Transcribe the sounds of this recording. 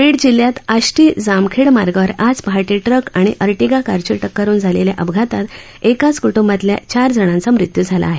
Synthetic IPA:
ʋeɽd͡ʑiljat̪aɕʈid͡zamkʰeɽmaɾɡəʋəɾad͡zpɦaʈiʈɾəkaɽ̃iʔəɾʈiɡakaɾt͡ɕiʈəkːəɾuːnd͡zʱaleljaʔəbɡʱat̪at̪ | ekat͡skuʈumbat̪lja̰t͡ɕaɾd͡zʱəɽ̃ãnt͡samɾit̪jud͡zʱala̰ːɦe

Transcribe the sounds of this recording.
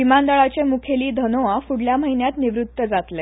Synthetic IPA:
ʋimand̪aɭat͡ɕemukʰeliːd̪ʱənoʋafuɽljam̤əɦinjat̪niʋɾut̪ːəd͡zat̪le

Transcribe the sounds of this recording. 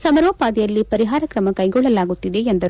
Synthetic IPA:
sɐmɐɾʋɐpaːd̪ɛjɐlːipɐɾiɦaːɾɐkɾɐmɐkɐjɡɔɭːɐlaːɡut̪ːid̪e̞end̪ɐɾ

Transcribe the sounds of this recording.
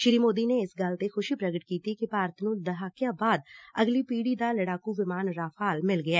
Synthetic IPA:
ʃɪɾiːmoːd̪ineɪsɡalt̪exʊʃipɾɐɡəʈkiːt̪ikipaːɾt̪ʰnũd̪ɐɦaːkjãbaːd̪̚ɐɡlipiːɽid̪alɐɽaːkuʋɪmaːnɾaːfaːlmɪlɡɐjaː

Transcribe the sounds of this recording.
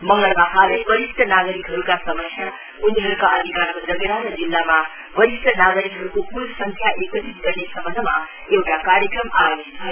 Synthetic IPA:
mʌŋɡʌlmaɦʰalʌbʌɾist̪ʰʌnaɡʌɾikɦʌɾukasʌmʌsʰja | uniɦʌɾukaʌd̪ʱikaɾkod͡zʌɡʌɾaɾʌd͡zilːama | bʌɾist̪ʰʌnaɡɾikɦʌɾukokulsʌŋkʰjaʔekʌt̪ʰit̪̚ɡʌrnesʌmʌnma | ewʈakaɾjʌkrʌmabosit̪̚t͡sʰʌ

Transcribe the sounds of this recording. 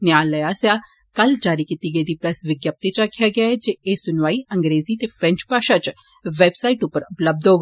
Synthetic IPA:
njaːlɐjasja | kɐld͡ʒaːɾikit̪iɡeːd̪ipɾɐsʋɪɡjəp̚t̪it͡ʃakʰjaɡaɦɛd͡ʒeesʊnʋaːiɐ̃ŋɡɾeːzit̪efɾɛ̃ɲt͡ʃpaːʃat͡ʃ | ʋeːbsaːiʈupəɾʊpləb̚d̪oːɡ

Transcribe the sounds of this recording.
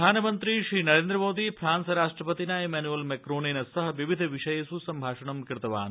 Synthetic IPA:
aːnɐmɐnt̪ɾiʃɾiːnɐɾeːnd̪ɾɐmoːd̪ifʰɾaːnsɐɾaːʂʈɾɐpɐt̪inaːemɛːnuelmekɾoːneːnɐsɐɦɐʋiʋid̪ʱɐʋiʂɐjɐsusɐmbʱaːʂɐɳɐmkiɾt̪ɐʋa̰ːn

